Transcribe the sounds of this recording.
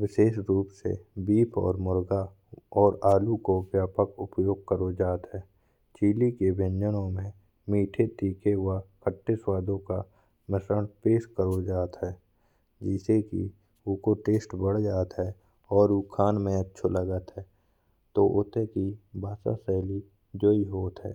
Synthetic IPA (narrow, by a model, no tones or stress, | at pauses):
ʋɪʃeːʃɾuːpsḛbiːpʰɔ̰ːɾmʊɾɡa | ɔːɾaːlukobjaːpəkʊpjoːɡ̚kəɾod͡ʒaːt̪ɦɛː | t͡ʃiːlikebʱɪ̃ɲd͡ʒənõmẽ | miːʈʰet̪iːkʰeɦwakʰəʈːeswaːd̪ʱõka | mɪsɾənpeːʃkəɾod͡ʒaːt̪ɦɛː | d͡ʒɛːsekḭ | ʊkoʈeːsʈbəɽ̤d͡ʒaːt̪ɦɛ | ɔːɾukʰaːnmẽətːʃʰoləɡət̪ɦɛː | t̪oʔoːt̪ekibʱaːsa̰sɛːli | d͡ʒoːiɦoːt̪ɦɛ̰ː